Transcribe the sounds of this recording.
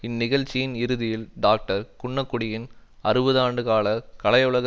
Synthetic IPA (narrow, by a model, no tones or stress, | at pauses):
ɪnːɪɣɐɻt͡ʃːɪjɪnɪɾɯðɪjɪlɖaːk̚ʈɐɾkʊɳːɐkːʊɽɪjɪn | ɐɾɯbɐðaːɳɖɯkaːlɐkɐɭɐjʊɭɐɣɐ